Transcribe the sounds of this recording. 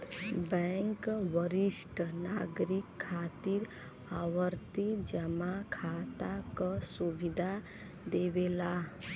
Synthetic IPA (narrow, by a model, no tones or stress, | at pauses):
bəŋkʋəɾisʈnaɡɾikʰːat̪iɾ | awəɾt̪id͡ʒəmakʰat̪akəsubid̪ʱa | d̪ebela